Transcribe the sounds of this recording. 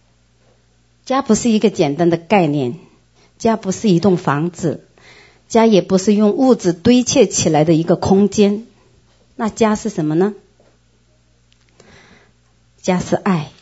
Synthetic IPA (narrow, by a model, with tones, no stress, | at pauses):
t͡ɕja˥pu˧˥ʂɻ̩˥˩i˧˥ɡə˧t͡ɕjɛ˨˩nt̪a˥nd̪ə˨ka˥˧ɪnjɛ˥˩n | t͡ɕja˥pu˧˥ʂɻ̩˥˩i˧˥t̪ʊ˥˩ŋfɑ˧˥ŋt͡sɹ̩˨˩˦ | t͡ɕja˥jɛ˨˩pu˧˥ʂɻ̩˥˧jʊ˥˧ŋu˥˩t͡sɹ̩˨˩t̪we˥ɪt͡ɕʰjɛ˥˩t͡ɕʰi˨˩la˧˥ɪd̪ə˧i˧˥ɡə˧kʰʊ˥ŋt͡ɕjɛ˥n | na˥˩t͡ɕja˥ʂɻ̩˥˩ʂə˧˥nmə˧nə˨ | t͡ɕja˥ʂɻ̩˥˧ʔa˥˩ɪ